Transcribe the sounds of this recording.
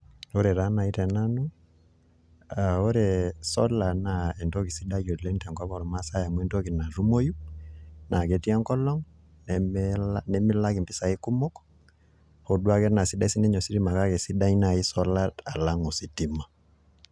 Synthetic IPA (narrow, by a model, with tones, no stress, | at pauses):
o˦ɾɛ˨ɾa˦na˨i˦tɛ˨na˦nɔ˦ | ao˦ɾɛ˨sɔ˦la˨na˨ɛ˨ndo˦ki˨si˦da˦jɔ˨le˦ntɛ˨ŋkɔ˦kɔ˦ɾɔ˨ma˦sa˦ja˨mwɛ˦˨nto˦ki˨na˨ɾu˦mo˦ju˦na˨ke˨ti˦a˦ŋkɔ˦lɔ˦ŋ | nɛlnɛ˦mi˦la˦ki˨mpi˦sa˨i˦ku˦mɔ˦kɔ̥ | ho˨dwa˦kɛ˦na˨si˦da˦si˦nɛ˦ɲɔ˨si˦ɾi˦ma˨ka˦kɛ˨si˦da˦ɲna˨i˦sɔ˦la˦ta˨la˦ŋɔ˨si˨ti˦ma˨